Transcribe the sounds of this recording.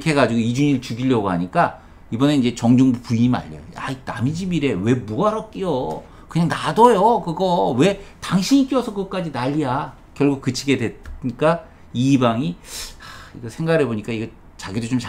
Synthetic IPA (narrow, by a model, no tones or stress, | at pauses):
kʰe̞ɡad͡ʑiɡoid͡ʑuɲiɭt͡ɕuɡiʎːʌɡoɦaɲik͈a | ibʌne̞ind͡ʑe̞t͡ɕʌŋd͡ʑuŋbupuima̰ʎːʌ̰joa̰ina̰mid͡ʑimiɾe̞we̞muaɾʌk͈ijo | kɯɲaŋnadʌjokɯɡʌwe̞taŋɕʰiɲik͈iʌsʰʌkɯk͈ad͡ʑinaʎːija | kjʌɭɡuk̚k͈ːɯt͡ɕʰiɡe̞dwe̞ɲik͈a | iːbaŋiaiɡʌsʰe̞ŋɡaɡɾeboɲik͈aiɡʌ | t͡ɕaɡidot͡ɕomt͡ɕa